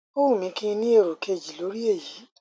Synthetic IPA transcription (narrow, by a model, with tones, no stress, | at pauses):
o˦wũ˦˨mĩ˧kĩ˦ĩ˧nĩ˦e˦˨ɾo˨kʰe˧˨d͡ʒi˨lo˨˦ɾi˦e˦˨ji˨˦